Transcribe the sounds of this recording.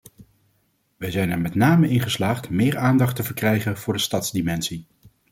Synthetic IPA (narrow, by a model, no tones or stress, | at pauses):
ʋɛjzɛjnɛɹmɛtnaːməɪnχəslaːχtmɪːɹaːndɑχtəvəɹkrɛjχənv̥ʊːɹdəstɑtzdimɛnsi